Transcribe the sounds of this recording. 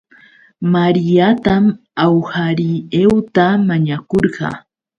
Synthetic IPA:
maɾɪjat̪am | awhaɾɪewt̪amaɲakoɾɢɑ̰

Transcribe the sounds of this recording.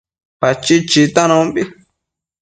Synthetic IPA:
pat͡ʃit͡ʃit̪anõbi

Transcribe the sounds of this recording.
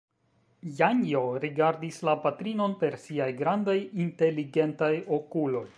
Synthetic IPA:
jaɲjo̞ɾiɡaɾdislapatɾino̞npe̞ɾsiajɡɾandajinte̞liɡe̞ntajo̞kulo̞j

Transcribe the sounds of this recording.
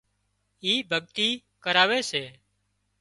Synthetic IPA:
iːbʱəɠ̚t̪iː | kəɾaːʋeːseː

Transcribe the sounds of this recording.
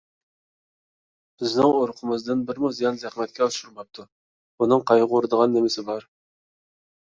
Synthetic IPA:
b̥ɪznɪŋoɾqʰəmɨzd̪ɨnbɪɾmuzijɑnzæχmɛt̪̚kʲɛuʃuɾmɑp̚t̪ʰu | unɨŋqʰɑjʁuɾɨd̪əʁɑnːemɪsɪbɑɾ

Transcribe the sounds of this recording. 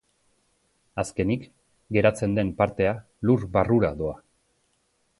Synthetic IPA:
aske̞nik | ɡe̞ɾat͡se̞nd̪e̞mpaɾt̪e̞a | lurbaruɾaðo̞a

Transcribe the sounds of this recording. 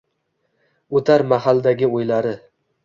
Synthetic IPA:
ɵt̪ʰaɾmaɦald̪aɡʲɪojlaɾɪ

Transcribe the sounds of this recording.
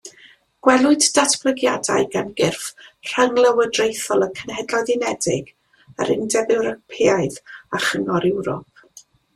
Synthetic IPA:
ɡ̥wɛlˠʊɨddatʰb̥lˠəɡjadajɡanɡɪrfr̥əŋlˠəwədrejθɔlˠəkʰənhɛdlɔðɪnɛdɪɡ̥ | ə̰ɾɪ̰ndɛbɪwɾəpʰɪajðaχəŋɔɾɛwɾɔ̰p̚

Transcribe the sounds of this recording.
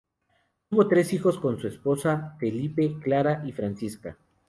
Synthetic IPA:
tuβo̞t̪ɾe̞sixo̞sko̞nsue̞spo̞safe̞lipe̞klaɾaʔifɾansiska̰

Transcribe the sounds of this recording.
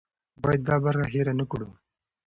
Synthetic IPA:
bɑjad̪̚ːɑbaɾxaɦeɾanəkuɽu

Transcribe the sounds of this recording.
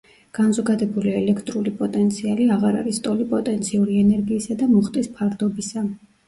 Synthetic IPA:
ɡ̥anzɔɡad̪ɛbuliɛlɛkʰt̪ʼɾulipʼɔt̪ʼɛnt̪sʰialiaʁaɾa̰ɾist̪ʼɔlipʼɔt̪ʼɛnt̪sʰiuɾiɛnɛɾɡiːsad̪amuχt̪ʼispʰaɾd̪ɔbisa

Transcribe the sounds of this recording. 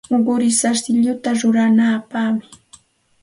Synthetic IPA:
oɢʊɾɪsaɾsɪʎʊt̪aɾʊɾanaːpamɪ

